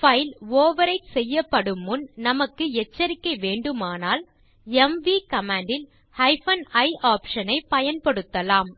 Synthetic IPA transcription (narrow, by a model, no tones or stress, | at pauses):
fɐɪloːʋɐɾɐɪʈsɛjːɐpːɐɽɯmːɯnnɐmɐkːɯɛt͡ʃːɐɾɪkːɐɪʋeːɳɖɯmaːnaːl | ɛmʋikɐmaːɳɖɪl | hɐɪfɐnɐɪʔaːpʂɐnɐɪpɐjɐnpɐɽɯt̪ːɐlaːm